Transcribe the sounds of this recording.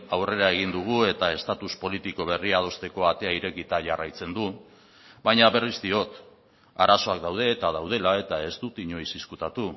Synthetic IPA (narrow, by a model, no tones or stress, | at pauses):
awre̞ɾae̞ɣ̞ind̪uɣ̞ue̞t̪ae̞st̪at̪uspo̞lit̪iko̞β̞e̞riað̞o̞st̪e̞ko̞at̪e̞aiɾe̞kit̪aʝarajt͡se̞nd̪u | bajɲaβe̞rizd̪io̞t̪ | aɾaso̞akd̪awð̞e̞ːt̪að̞awð̞e̞lae̞t̪ae̞zt̪ut̪iɲo̞jsiskut̪at̪u